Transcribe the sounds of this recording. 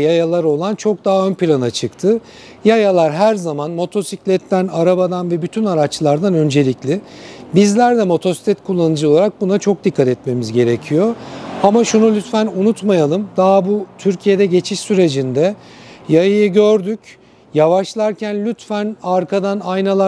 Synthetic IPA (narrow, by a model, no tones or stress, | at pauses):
jajalˠaɾo̞lˠant͡ʃʰo̞k̚d̪aɦaø̞npilʲanat͡ʃʰɯkt̪ʰɯ | jajalˠaɾɦæɾzamanmo̞t̪ʰo̞siclʲɛt̪ʰːænaɾabad̪anvɛbyt̪ʰynaɾat͡ʃlˠaɾd̪anø̞nd͡ʒe̞lʲiclʲɪbizlʲæɾd̪ɛmo̞t̪ʰo̞si̥t̪ʰʲɛt̪kʰulˠːanɯd͡ʒɯo̞lˠaɾak̚bunat͡ʃʰo̞k̚d̪ikʰːat̪ɛt̪me̞mizɟe̞ɾe̞cʰijo̞amaʃunulʲyt̪fænunut̪majalˠɯmd̪aɦbut̪ʰyɾcʰije̞d̪ɛɟe̞t͡ʃʰiʃsyɾe̞d͡ʒind̪ɛjajɯjɯɟøɾd̪yc | javaʃlˠaɾcʰænlʲyt̪fænaɾkʰad̪anajnalˠa